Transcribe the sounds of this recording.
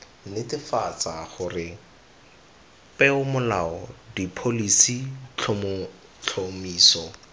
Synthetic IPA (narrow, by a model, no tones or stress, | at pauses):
nɪtɪfat͡saχʊrɪ | pɛʊmʊlaɔdipʰolisit͡ɬ | t͡ɬʰomiːsɔ